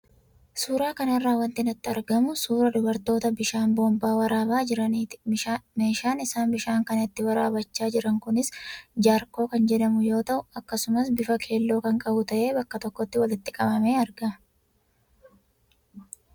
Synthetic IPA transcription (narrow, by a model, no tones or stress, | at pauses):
suːɾaːkɐnɐrːaːwɐnt̪ɪnɐt̪ːɪɐɾɡɐmʊsuːɾɐdʊbɐɾt̪o̞ːt̪ɐbɪʃaːnboːmbaːwɐɾaːbaːd͡ʒɪɾɐniːt̪ɪ̥me̞ːʃaːnɪsaːnbɪʃaːŋkɐnɪt̪ːɪwɐɾaːbɐt͡ʃːaːd͡ʒɪɾɐŋkʊnɪsd͡ʒaːɾko̞ːkɐnd͡ʒɛdɐmʊjo̞ːt̪ɐʔʊɐkːɐsʊmɐsbɪfɐkʰe̞ːlːo̞ːkɐŋkʼɐbʊt̪ɐʔe̞ːbɐkːɐt̪ɔkːɔt̪ːɪwɐlɪt̪ːɪkʼɐbɐme̞ːɐɾɡɐmɐ